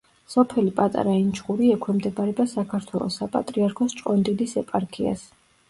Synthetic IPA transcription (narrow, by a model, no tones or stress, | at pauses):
sɔpʰɛlipʼat̪ʼa̰ɾaint͡ʃʰχuɾiɛkʰwɛmd̪ɛbaɾɛbasakʰaɾt̪ʰwɛlˠɔ̰sapʼa̰t̪ʼɾiaɾkʰɔst͡ʃʼqʼɔnd̪id̪isɛpʼaɾkʰia̰s